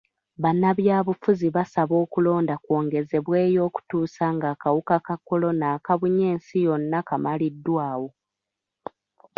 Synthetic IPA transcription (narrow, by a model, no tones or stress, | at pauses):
βanːaβjaːβufuziβasaβo̞ːkulo̞ːndakwo̞ːŋɡe̞ze̞βweːjo̞ːku̥tuːsaŋɡaːkawukakakːo̞lo̞naːkaβuɲe̞ːnsijo̞nːakamalidːwaːwo̞